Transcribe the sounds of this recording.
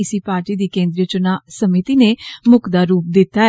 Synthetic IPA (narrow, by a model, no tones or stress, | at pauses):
ɪsiːpaːɾʈiːd̪iːkẽːnd̪ɾijət͡ʃʊnaːsəmɪt̪iːnemʊkd̪aːɾuːp̚d̪ɪt̪ːaː